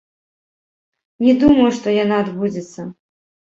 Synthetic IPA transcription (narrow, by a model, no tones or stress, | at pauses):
nʲɛd̪umɐjuʂt̪ɔjanaːd̪bud͡zʲɪt̪sːɐ